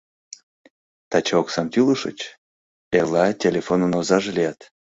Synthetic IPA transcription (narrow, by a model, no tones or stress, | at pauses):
t̪ɑt͡ɕaoksɑmt̪ʲylˠɨʃə̰t͡ɕ | elˠɑtʲelʲefonənozɑʒelʲijat̪